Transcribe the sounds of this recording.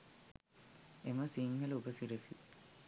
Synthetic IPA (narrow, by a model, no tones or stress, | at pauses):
eməsiŋhəlubəsiɾəsi